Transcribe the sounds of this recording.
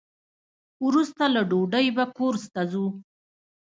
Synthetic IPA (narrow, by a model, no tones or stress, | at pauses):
wɾust̪alaɖoɖəjbakoɾst̪azu